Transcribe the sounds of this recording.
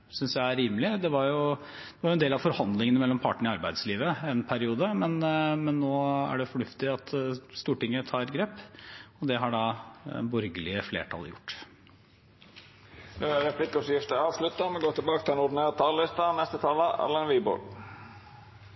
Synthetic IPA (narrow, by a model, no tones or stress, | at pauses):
sʏnsjæɪæɾiːməlɪd̪ɛʋɑɾjʊ | d̪̥ɛʋɑɾjʊɛnd̪eːlɑʋfɔɾhɑnd̪lɪŋənəmɛlːɔmpʰɑːʈəɳəɑɾbæɪd̪sliːʋəɛnpʰæɾɪuːd̪əmɛnmɛnːoːæ̰ɖɛfɔɳʉft̪ɪɑt̪st̪uːʈɪŋːət̪ʰɑːɾɡɾeːpːɔd̪ɛɦɑɖɑ̰ːbɔɾɡəlɪəflḛːʈʰɑ̰l̰jʊ̰ʈː | nʉːæɾɾɛpʰlɪkːɔsjɪft̪əɾɑːʋslʉt̪ːɑmɛnɡoːt̪ʰɪlbɑːkət̪ʰɪlɛnʊɖɪneːɾt̪ʰɑːllɪst̪ɑnɛst̪ət̪ʰɑːləɛ̰lənʋiːbɔ̰l